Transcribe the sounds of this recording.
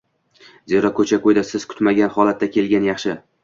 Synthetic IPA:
ze̞ɾɒkʰɵt͡ʃʰakojd̪asɪz̥kʰʊ̥t̪maɡʲanχɒlat̪ːakʲʰe̞lɡʲanjɑχʃɪ

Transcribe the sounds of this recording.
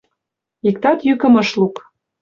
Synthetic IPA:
ik̚t̪ɑt̪jykə̆mɤ̆ʃluk

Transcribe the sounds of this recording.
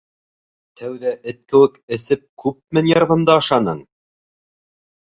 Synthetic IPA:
t̪ʰæwðæʔɘ̆t̪̚kɘ̆wɘkɘ̆sɘp̚kʉp̚mɘnjɑɾʁɤ̆nd̪ɑːʃɑnɤɴ

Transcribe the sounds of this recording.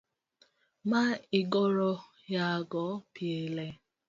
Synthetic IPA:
maɪɡɔɾɔ | jaaɡɔpjele

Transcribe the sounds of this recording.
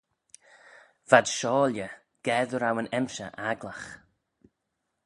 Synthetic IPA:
v̥ad̥ʃɔːljə | ɡ̥ɛðəɾawənɛmʃə̰ʔaɡlax

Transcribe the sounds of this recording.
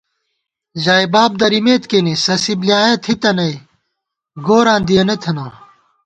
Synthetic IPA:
ʑaːjbaːb̚d̪ɐɾimeːt̪kenisɐsibliaːjɐt̪ʰit̪ɐnɐj | ɡoːɾãːnd̪ijɐnɐt̪ʰɐnaː

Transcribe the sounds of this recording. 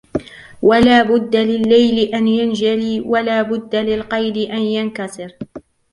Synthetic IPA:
walaːbʊd̪ːalɪlːajlɪʔanjand͡ʒaliːwalaːbʊd̪ːalɪlqɑjd̪ɪʔanjankasˤɨɾ

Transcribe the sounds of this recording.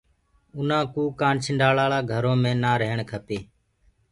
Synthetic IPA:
ʊnãːkuːkaːnt͡ʃʰəɳɖaːɭaːɭaːɡʱəɾõːmẽːnaːɾəɦɳkʰəpeː

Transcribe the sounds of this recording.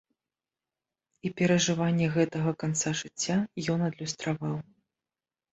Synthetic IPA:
ipʲɛɾɐʐɨvanʲːɛɣɛt̪ɐɣɐkant̪saʐɨt͡sʲːajɔnɐd̪lʲust̪ɾavaw

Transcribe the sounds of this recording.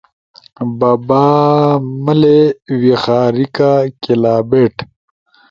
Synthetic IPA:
babaːməlewixaːɾikakilaːbeːʈ

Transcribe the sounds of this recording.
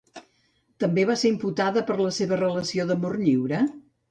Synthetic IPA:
t̪əmbeβaseɾimput̪aðəpəɾləseβərələsioðəmorʎiwɾə

